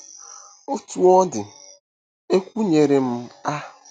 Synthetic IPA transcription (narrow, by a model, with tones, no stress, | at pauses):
o˦tu˨ɔ˦dɪ˨ | e˦kʷu˦ɲe˨ɾe˨m̩˦a˦